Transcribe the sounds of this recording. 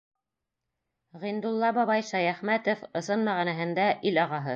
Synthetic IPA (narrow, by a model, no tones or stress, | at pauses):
ʁind̪ulˠːɑbɑβɑjʃɑjæχmæt̪ŏfɤ̆sɤnmæʁænæɦɘ̆nd̪æʔilɑʁɑɦɤ